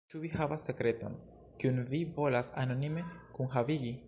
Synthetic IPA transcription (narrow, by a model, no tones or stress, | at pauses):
t͡ʃuvihavasːe̞kɾe̞to̞̰n | kiunvivo̞lasano̞nime̞kunɦaviɡi